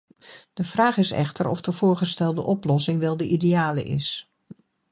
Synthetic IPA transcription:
d̥əv̥raːχɪsɛ̰χtəɾɔ̰fdəv̥ʊːɹχəstɛlˠdəʔɔplɔsɪŋʋɛlˠdəʔideaːlə̰ʔɪ̰s

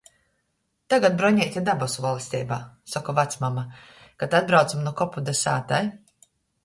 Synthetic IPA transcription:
t̪aɡat̪̚bɾɔɲɛːt̪ʲad̪abɔsvɔlˠisʲt̪ʲɛ̰ːbaːsakɔvat̪smama | kat̪ad̪̚bɾawt̪samnukɔpud̪asa̰ːt̪aj

